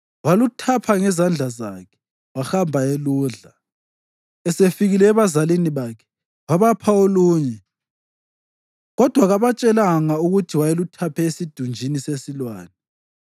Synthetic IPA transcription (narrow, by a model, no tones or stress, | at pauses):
walutʰapʰaŋɛzand͡ɮʱazakʰɛ̥ | waxambʱaeluːɮa | ɛsefiɣilɛːβazaliniβakʰɛ̥ | waβapʰaoluːɲɛ | ɣɔd̥ʱwaɣaβat͡ʃʼɛlaŋauɣutʰiwajelutʰapʰɛesid̥ʱund͡ʒʱinisesilwaːnɛ